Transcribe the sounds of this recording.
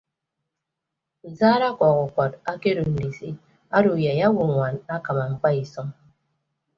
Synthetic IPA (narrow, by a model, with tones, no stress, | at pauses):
u˨zaː˦ɾa˦kʷɔ˨ɣu˨kʷɔ˨ta˦ke˦ɾo˨n̩˨di˨si˦ | a˦ɾo˨ja˨ja˦wu˨ŋʷwa˨na˦ka˨ma˨ŋ͡m̩˨k͡pa˦i˨sɔ˦ŋ